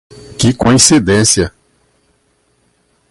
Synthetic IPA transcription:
kɪkõĩsid̪ẽsjɐ

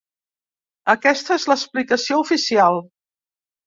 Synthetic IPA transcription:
əkɛst̪əezləsplikəsioufisialˠ

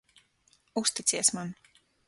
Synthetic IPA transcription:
ust̪it̪sʲiɛsman

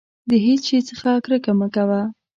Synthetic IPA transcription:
d̪əɦesʃet͡səxakɾəkamakawa

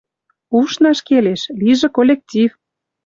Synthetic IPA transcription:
uʃnɑʃkeleʃliʒĕkolʲek̚tʲif

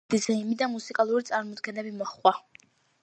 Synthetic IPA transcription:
d̥izaimid̪amusikʼalˠuɾit̪sʼaɾmɔd̪ɡɛnɛbimɔχa

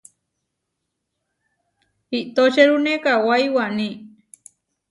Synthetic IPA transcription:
iʔt̪ot͡ʃeɾunekawajwanĩ

